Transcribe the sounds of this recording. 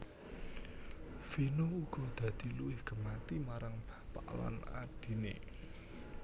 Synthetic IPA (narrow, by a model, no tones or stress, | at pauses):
finouɡ̥ɔ̤d̪̥ä̤d̪̥i̤luɪhɡ̥ə̤mat̪imaɾaŋb̥a̤pa̰ʔla̰na̰d̥i̤nḛ